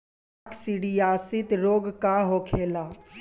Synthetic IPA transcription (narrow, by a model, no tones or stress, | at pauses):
ksiɽiaːsɪt̪ɾoːɡkaɦoːkʰeːlaː